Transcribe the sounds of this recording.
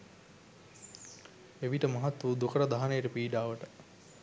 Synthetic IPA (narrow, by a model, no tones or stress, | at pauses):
eʋiʈəmɐɦat̪ʋud̪ukəɾəd̪aɦanejəʈəpiːɖaːʋəʈə